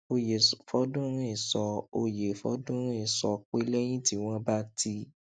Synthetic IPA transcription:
o˧je˨sfɔ˧˦dũ˦ɾ̃ĩ˦˨sɔ˧o˧je˨fɔ̰˦dũ˦ɾ̃ĩ˦˨sɔ˨k͡pe˦lɛ˦j̃ĩ˦ti˦w̃ɔ̃˦ba˦tʰi˧˦

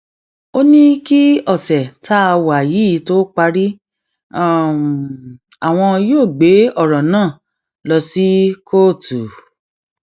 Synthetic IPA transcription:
o˦nĩ˦ki˦ɔ˦˨sɛ˨tʰa˦a˧wa˨ji˨˦˨to˦k͡pa˧ɾi˦˨ | a˨w̃ɔ̃˧joː˦˨ɡ͡be˨˦ɔ˦˨ɾɔ̃˨nãː˦˨ | lɔ˧si˦kʰo˦˨tu˨

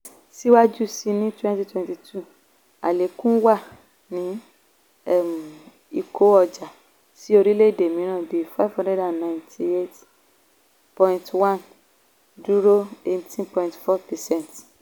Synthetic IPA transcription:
si˦wa˦d͡ʒu˦si˧nĩ˦twɛ̃˦nti˦twɛ̃˧nti˧tʰu˦ | a̰˨le˨˦kũ˦wa˦˨ | nĩ˨˦ | ɛ˦m˨ | i˧kʰo˨˦ɔ˧d͡ʒa˨ | si˦o˧ɾi˦le˦i˦˨de˨mĩ˨˦ɾ̃ã˦˨de˨˦fa˦˨vhã˦ndɛ˦da˨nːã˨j̃ntʰi˧e˦t | pɔ̃˧ĩntwã˦˨n | d͡ʒu˦ɾo˦e˦tĩ˦npɔ̃˧ĩntfɔ˦pɛ˨sɛ̃˦˨nt

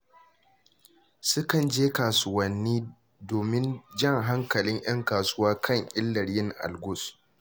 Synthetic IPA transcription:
sʊ˦kɐ˨nd͡ʒeː˦kaː˨sʊ˦wɐ˦nːiː˦ | doː˨mɪ˦nd͡ʒɐ˦ŋɦa˦ŋkɐ˨lɪ˦ɲʔɐ˦ŋkaː˨sʊ˦waː˦kʰɐ˦˨ɲʔɪ˦lːɐ˨ɽjɪ˦ŋʔa̰˨lɡʊ˦s

